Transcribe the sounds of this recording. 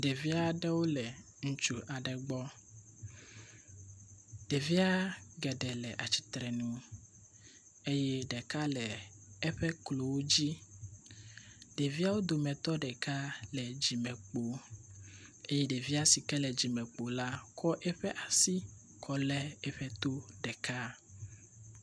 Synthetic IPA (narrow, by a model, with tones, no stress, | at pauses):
ɖe˨vi˦a˦ɖɛ˦wo˦lɛ˨ | ŋũ˦t͡ʃu˦ʔa˨ɖɛ˨ɡ͡bɔ˦ | ɖ̥e˨vi˦a˦ɡɛ˨ɖɛ˨lɛ˨ʔa˨t͡ɕi̥˨t̪ɾɛ˨nũ˦ | e˦jɛ˦ɖɛ˨ka˦lɛ˨ɛ˦ɸɛ˦klo˨wo˦d͡ʑi˦ | ɖe˨vi˦a˦wo˦d̪o˨mɛ̃˨t̪ɔ˦ɖɛ˨ka˦lɛ˨d͡ʑi˨mɛ˨k͡po˨ | e˦je˦ɖe˨vi˦a˦si˨kɛ˦lɛ˨d͡ʑi˨mɛ̃˨k͡po˨la˦kɔ˦ʔɛ˦ɸɛ˦ʔa˨si˦ | kʰɔ˨lɛ˦ɛ˦ɸɛ˦t̪o˦ɖɛ˨ka˦